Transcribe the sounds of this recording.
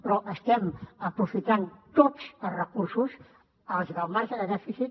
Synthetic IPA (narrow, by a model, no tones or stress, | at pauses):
pɾɔʔəst̪ɛmapɾufit̪ant̪ot̪spaɾrəkuɾsus | alzɣamaɾsalaðefisit̪̚